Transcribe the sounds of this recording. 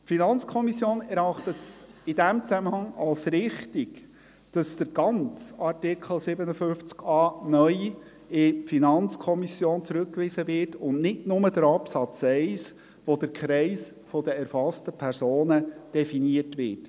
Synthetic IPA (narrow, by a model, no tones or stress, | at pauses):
tfinɑnt͡skʰɔmisjoːnɛɾɑχt̪ətsɪd̥æmt͡sæməhɑŋɑlsɾɪχtiɡ | d̥ɑsd̥əɾɡ̥ɑnt͡sɑɾtɪkχl̩sɪbənəfʏft͡skɑːnœʏ | ɪfinɑnt͡skʰɔmisjoːnt͡sɾʉkːʋisəvɪrtʊnnɪtnʊməd̥əɾɑpsɑt͡sɛɪs | ʋɔd̥əɾkχɾɛɪs | fɔd̥əɛɾfɑstəpʰɛɾsoːnəd̥ɛfiniətʋɪːt